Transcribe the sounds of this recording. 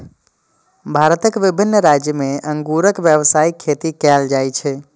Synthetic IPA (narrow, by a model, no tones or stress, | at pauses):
bʱaɾət̪əkʋibʱinːəɾad͡ʒjəmeə̃ŋɡuɾəkʋjəʋsaikʰːet̪ikɛld͡ʒajt͡ʃʰɛ